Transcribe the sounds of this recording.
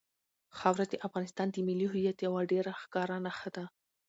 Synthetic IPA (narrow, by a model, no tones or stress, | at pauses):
xɑwɾad̪əʔafɣɑnɪst̪ɑnd̪əmɪliɦʊjat̪jawaɖeɾaxkɑɾanaxəd̪a